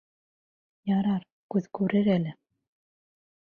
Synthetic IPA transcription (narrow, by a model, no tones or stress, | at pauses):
jɑɾɑɾ | kʉðkʉɾɘɾælɘ